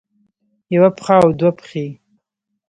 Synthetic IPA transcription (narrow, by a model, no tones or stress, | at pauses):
jawapχawd̪wapχi